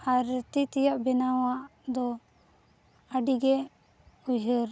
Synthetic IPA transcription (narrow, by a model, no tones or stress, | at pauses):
aɾt̪it̪ijaʔbɛnaw̃aʔd̪ɔ | əɖiɡɛ | uɦəɾ